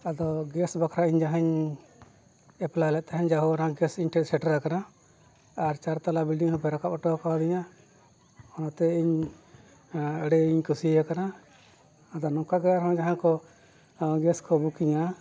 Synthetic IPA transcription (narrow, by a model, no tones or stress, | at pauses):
ad̪ɔɡɛsbakʰɾaiɲd͡ʒaɦɛɲ | ɛplalɛʔ̚t̪aɦɛɲd͡ʒaɦɔɔnaɡɛsinʈʰɛɾsɛʈɾakana | aɾt͡ʃaɾt̪alabilɖiŋhɔ̃pʰɛɾakapɔʈɔkawd̪iɲa | ɔnat̪ɛiɲ | ɛɽɛiɲkusijakanaː | d̪ɔnɔ̃kaɡɛɾaɾɦɔ̃d͡ʒaɦãkɔ | ɡɛskɔbukiɲa